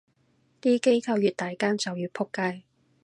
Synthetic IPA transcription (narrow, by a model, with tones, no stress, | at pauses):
t̪iː˥ke˥jkʰɐ˧wjyː˨t̚t̪aː˨˩jkaː˥nt͡sɐ˨wjyː˨˧pʰʊ˥kːɐ˧˥j